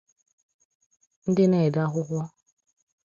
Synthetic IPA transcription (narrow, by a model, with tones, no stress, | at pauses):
n̩˦dɪ˦ne˦˨da˦ɦʊ˦ɦʷɔ˦